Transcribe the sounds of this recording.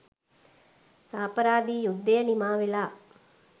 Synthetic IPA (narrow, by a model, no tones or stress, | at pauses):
saːpɐɾaːd̪iːjud̪ːejɐnimaːʋilaː